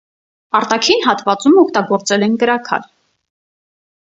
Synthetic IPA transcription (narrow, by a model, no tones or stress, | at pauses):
ɑɾt̪ɑkʰinɦɑt̪vɑt͡sumɔk̚ʰt̪ɑɡɔɾt͡sɛlɛnkəɾɑkʰɑ̰l